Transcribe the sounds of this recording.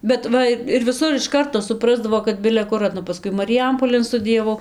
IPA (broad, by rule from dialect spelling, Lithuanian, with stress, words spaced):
bʲɛt ˈʋɐ ɪ ɪr ʋʲɪˈsʊr ɪʃ ˈkɐrtoː sʊˈprɑːzdɐʋoː kɐt bʲɪlʲɛ ˈkʊr pɐˈskʊɪ mɐrʲɪˈjɛmpoːlʲeːn stʊdʲɪjɛˈʋɐʊ